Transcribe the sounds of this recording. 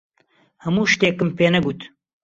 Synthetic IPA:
hɛmuːʃt̪eːkɨmpeːnɛɡuːt̪

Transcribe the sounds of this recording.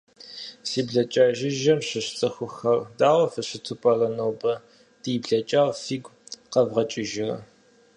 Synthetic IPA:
siːbɮɐt͡ʃʼaːʒɪʒɐmɕɪɕt͡sʼɨxʷʊxɐrdaːʁʷɔfɨɕɪtʰupʼɐrɐnowbɐ | d̥iːbɮɐt͡ʃʼaːʁfiːɡʷqɐvʁɐt͡ʃʼɪʒɪrɐ̰

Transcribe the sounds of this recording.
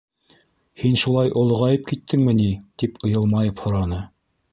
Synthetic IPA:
hinʃulˠɑjʔŏlˠɤ̆ʁɑjɤp̚kit̪ʰːɘŋmɘnit̪ipɤ̆jɤlˠmɑjɤphŏɾɑnɤ

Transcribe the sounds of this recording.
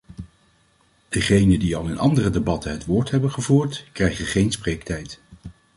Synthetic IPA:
d̥əχejnəndiɑlˠɪnɑ̰ndərədebɑtənɦətʋʊːɹtɦɛbənχəvuːɹtkrɛjχəχejnspreːktɛjt

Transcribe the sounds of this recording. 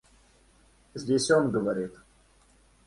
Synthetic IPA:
zʲdʲesʲonɡəvɐɾʲit̪

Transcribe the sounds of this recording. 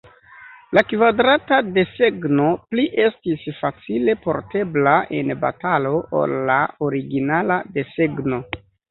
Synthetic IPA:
lakvadɾatade̞se̞ɡno̞pliʔe̞stisfat͡sile̞po̞ɾte̞blae̞nba̰talo̞ʔo̰lːaoɾiɡinalade̞se̞ɡno̞

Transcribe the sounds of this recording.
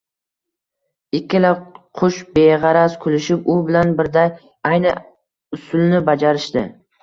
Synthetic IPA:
ɪkʲʰːɪlaqʰʊʃbeʁɑɾaskʰʊlɪʃɪpʊbɪlanbɪɾd̪aj | ajnɪ | ʊsʊlnɪbad͡ʒaɾɪʃt̪ɪ

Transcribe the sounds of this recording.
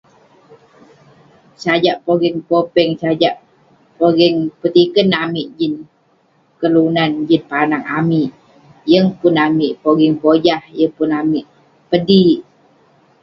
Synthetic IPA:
sad͡ʒaʔpoɡɛŋpopɛŋsad͡ʒaʔ | poɡɛŋpət̪ikənamiʔd͡ʒin | kəlunand͡ʒinpanaŋa̰miʔ | jəŋpʊnamiʔpoɡɛŋpod͡ʒahjəŋpʊnamiʔ | pədiʔ

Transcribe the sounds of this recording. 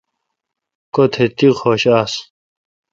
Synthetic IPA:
kot̪ʰet̪ixʰoːɕaːs

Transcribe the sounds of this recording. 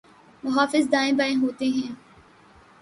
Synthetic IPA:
mʊɦaːfɪzd̪aːɪ̃baːẽɦoːt̪eɦɛ̃ː

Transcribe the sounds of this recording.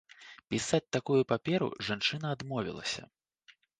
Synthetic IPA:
pʲisat͡sʲt̪akujupapʲɛɾṵʐant͡ʂɨnɐːd̪mɔvʲḭlˠɐ̰sʲɐ̰

